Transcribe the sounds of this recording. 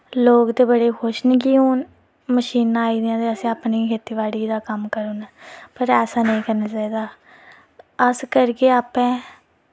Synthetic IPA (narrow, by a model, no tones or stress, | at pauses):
loːkd̪eːbəɽeːkʰʊʃnekiːɦoːn | məʃiːnãaːiːd̪ijãːt̪eːəsĩːaːpniːkʰeːt̪iːʋaːɽiːd̪aːkəmkəɾoːnɛːpəɾɛːsaːnəĩːkəɾnaːt͡ʃaːiːd̪aː | əskəɾkeːaːpɛ̃ː